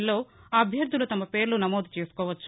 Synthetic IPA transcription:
lːo̞ːɐbʱjɐɾd̪ʱulut̪ɐmɐpe̞ːɾlunɐmoːd̪ʱut͡ʃe̞ːsu̥kɔːʋɐt͡ʃːu

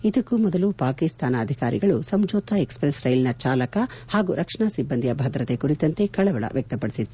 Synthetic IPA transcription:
id̪ɐkːumɔd̪ɐlupaːkist̪aːnɐːd̪ʱikaːɾiɡɐɭusɐmd͡ʒɔːt̪ɐekspɾesɾɐjlnɐt͡ʃaːlɐkɐhaːɡuɾʔɐkʂɳasibːɐnd̪ijɐbʱɐd̪ɾɐt̪ekuɾit̪ɐnt̪e̞kɐɭɐʋɐɭɐ̰ʋjɐk̚t̪ɐpɐɽisit̪ːu

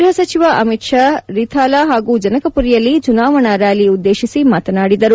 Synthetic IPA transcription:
ɾɦɐsɐt͡ʃiʋɐʔɐmiʈʂaɾit̪ʰaːlaːɦaːɡuːd͡ʒɐnɐkɐpuɾijɐlːit͡ʃunaːʋɐɳɐɾaːliud̪ːeːʃisimaːt̪ɐnaːɽid̪ɐɾu

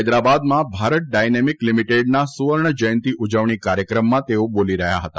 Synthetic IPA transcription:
jd̪ɾabad̪mãbʱaɾət̪̚ɖajnemiklimiʈeɖnasuʋəɾɳəd͡ʒəjnt̪iʔud͡ʒəʋɳ̃ikaɾjəkɾəmːãt̪eoboliɾəɦja̰ɦət̪a

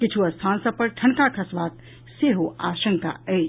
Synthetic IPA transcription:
kit͡ʃʰuəst̪ʰansə̃pəɾʈʰənkakʰəsbat̪̚ | seɦoasəŋka̰əj

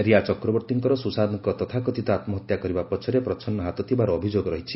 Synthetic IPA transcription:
ɾiat͡ʃɔkɾɔbɔɾt̪iŋkɔɾɔsusad̪ɔŋkɔt̪ɔt̪ʰakɔt̪ʰit̪ɔat̪mɔɦɔt̪jakɔɾibapɔt͡ʃʰɔɾepɾɔt͡ʃʰɔnːɔɦat̪ɔt̪ʰibaɾɔːbʱid͡ʒoɡɔɾɔɦit͡ʃʰi̥

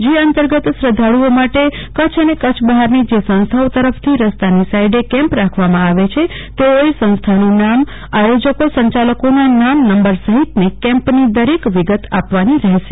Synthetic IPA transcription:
d͡ʒeənt̪əɾɡət̪sɾəd̪ʱaɽuomaʈekət͡ʃʰənekət͡ʃʰbəɦaɾnid͡ʒesə̃ñst̪ʰaot̪əɾəft̪ʰiɾəst̪anisajɖekɛ̃mpɾakʰʋamãaʋet͡ʃʰe | t̪eoesə̃ñst̪ʰanũnam | ajod͡ʒəkosə̃ɲt͡ʃaləkonanamnəmbəɾsəɦit̪nekɛ̃mpnid̪əɾekʋiɡət̪apʋaniɾəɦeʃe̥

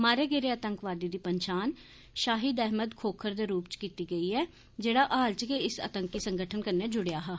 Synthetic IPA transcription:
maːɾeːɡeːɾeːət̪əŋkʋaːɾd̪iːd̪iːpəɲt͡ʃaːn | ʃaːɦiːd̪ɛːɦməd̪kʰoːkʰəɾd̪eːɾuːpt͡ʃkiːt̪iːɡəiːɛː | d͡ʒeːɽaːʔaːlt͡ʃkeɪsə̰t̪əŋkːiːsəŋɡəʈʰənkəɾneːd͡ʒʊɽejaːɦaː

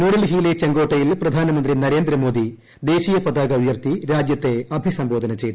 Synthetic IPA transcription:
muːɽɐlɦiːlet͡ɕeŋɡo̞ːʈːɐjilprɐd̪ʱaːnɐmɐnd̪rinɐɾe̞ːnd̪rɐmo̞ːd̪i | d̪e̞ːɕiːjɐpɐd̪aːɡɐujɐrt̪iɾaːd͡ʑjɐt̪ːe̞ɐbʱisɐmbo̞ːd̪ʱɐnɐt͡ɕe̞jt̪ːu

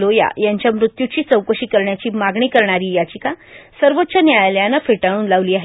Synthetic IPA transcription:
loja̰jaɲt͡ɕjamɾut̪jut͡ɕiːt͡səwkəɕiːkəɾɳjat͡ɕiːmaɡɳiːkəɾɳ̃aɾiːjat͡ɕiːkasəɾʋot̪ːt͡ɕanjajljãnafeʈaɽ̃uːnlaʋliːaɦe

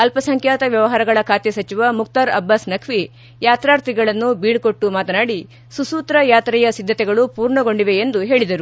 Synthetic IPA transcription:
ɐlpɐsɐŋkʰjaːt̪ɐʋjɐʋɐɦaːɾɐɡɐɭɐkʰaːt̪jɐsɐt͡ʃiʋɐmuk̚t̪aɾɐ̰bːɐsnɐkʰʋi | jaːt̪ɾaːɾt̪ɾiɡɐɭɐnːubiːɽko̞ʈːumaːt̪ɐnaːɽi | susuːt̪ɾɐjaːt̪ɾɛjɐsid̪ʱːɐt̪ɛɡɐɭupuːɾɳɐɡo̞ɳɖiʋeend̪uɦe̞ːɭid̪ɐɾu

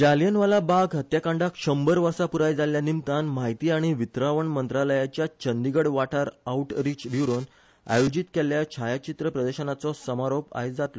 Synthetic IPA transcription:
d͡ʑaljənʋalabaɡɦət̪jakãɳɖakʂəmbəɾʋəɾsapuɾajd͡zaljanimt̪anmaɦit̪iːaɽ̃iʋit̪ɾaʋəɳmənt̪ɾaləjat͡ɕjat͡ɕənd̪iɡəɽʋaʈʰaɾauʈɾit͡ɕʋjuɾon | a̰jod͡ʑit̪keljat͡ɕʰajat͡ɕit̪ɾəpɾəd̪əɕənat͡sɔsəmaɾopa̰jd͡zat̪lɔ

